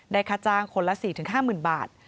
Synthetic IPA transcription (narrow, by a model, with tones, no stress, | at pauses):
daː˧˩jkʰaː˧t͡ɕaː˧ŋkʰo˧nla˦˥siː˨˩t̪ʰɯː˨˩˦ɦaː˥˩mɯː˨˩nba̰ː˨˩t̪̚